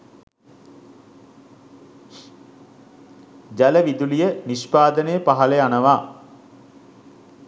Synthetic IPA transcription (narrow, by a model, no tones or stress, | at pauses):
d͡ʒæləʋid̪ulijəniʃpaːd̪ənejəpaɦɐleanəʋaː